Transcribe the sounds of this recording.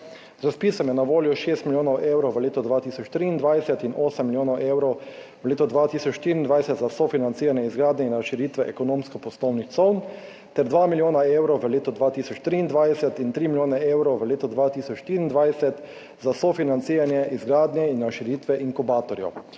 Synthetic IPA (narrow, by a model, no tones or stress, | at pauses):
zɾaspiːsɔmjɛnaʋoːljɔʃeːst̪miljoːnɔwʔeːwɾɔwʋəleːt̪ɔd̪ʋaːt̪iːsɔt͡ʃt̪ɾiːnd̪ʋajsɛt̪inʔoːsɛmːiljoːnɔwʔeːwɾɔw | ʋəleːt̪ɔd̪ʋaːt̪isɔt͡ʃʃt̪iːɾind̪ʋajsɛt̪zasɔfinant̪siːɾanjɛizɡɾaːd̪nɛinɾaʃiɾiːt̪ʋɛʔɛkɔnoːmskɔpɔst̪ɔwnixt̪sɔwn | t̪ɛɾd̪ʋaːmiljoːnaewɾɔwʋəleːt̪ɔd̪ʋaːt̪iːsɔt͡ʃt̪ɾiːnd̪ʋajsɛt̪int̪ɾiːmiljoːnɛeːwɾɔwʋəleːt̪ɔd̪ʋaːt̪iːsɔt͡ʃʃt̪iɾiːnd̪ʋajsɛt̪ | zasɔfinant̪siːɾanjɛʔizɡɾaːd̪njɛinɾaʃiɾit̪ʋɛʔiŋkubaːt̪ɔɾjɔ̰